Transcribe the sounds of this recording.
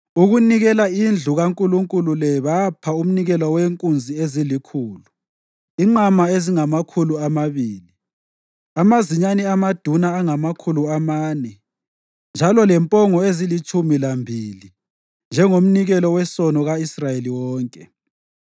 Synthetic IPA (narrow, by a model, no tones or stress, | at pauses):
uɣuniɣɛlaind͡ɮʱuɣaŋkʼuluŋkʼululɛβapʰaum̩niɣɛlɔweŋkʼund͡zʱiezilikʰuːlu | iŋ͡ǃamaeziŋamakʰuluamaβiːli | amaziɲaniamad̥ʱunaːŋamakʰuluamaːnɛ | nd͡ʒʱalɔlɛmpʼɔŋɔezilit͡ʃʼʰumilambʱili | nd͡ʒʱɛŋom̩niɣɛlɔwɛsɔnɔɣaisrajeliwɔːŋkʼɛ